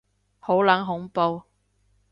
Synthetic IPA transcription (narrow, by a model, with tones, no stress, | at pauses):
ho˨˥wlɐ˨˥nɦʊ˨˥ŋpo˧w